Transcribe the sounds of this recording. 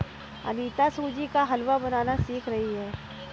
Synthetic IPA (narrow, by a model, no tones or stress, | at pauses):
ɐ̰niːt̪asũːd͡ʒikaɦɐlʋabɐnaːnasiːkʰɾɐɦiɦɛː